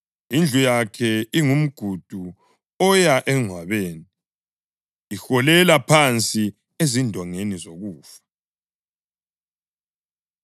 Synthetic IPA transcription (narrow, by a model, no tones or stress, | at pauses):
ind͡ɮʱujakʰɛiŋum̩ɡ̥ʱud̥ʱu | ɔjaʔɛŋwaβeːni | xɔlɛlapʰant͡sʼi | ezindʱɔŋenizoɣuːfḁ